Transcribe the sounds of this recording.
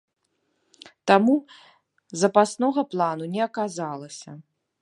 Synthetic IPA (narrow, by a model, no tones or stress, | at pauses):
t̪amu | zɐpasnɔɣɐplˠanunʲɛɐkazalˠɐsʲɐ̰